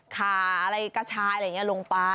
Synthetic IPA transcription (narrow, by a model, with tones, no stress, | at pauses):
kʰaː˨˩a˧ɾa˧jkaː˧˩t͡ɕʰaː˧˥ja˨˧˨ŋi˦˥ɐ˨lo˧ŋpaː˧